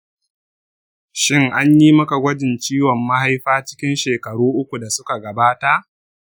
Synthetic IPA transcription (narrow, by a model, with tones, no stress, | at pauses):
ʃɪ˦ŋʔa˦ɲjiː˦mɐ˦ka˨ɡʷɐ˦d͡ʒɪ˨nt͡ʃiː˦wɔ˨mːa˦ha˦jɸaː˦t͡ʃɪ̥˦kʲɪ˦nʃeː˨kɐ˨ɽuː˦ʔʊ˦kʷu˨da˨sʊ˦ka˨ɡɐ˨baː˦ta˦ʔ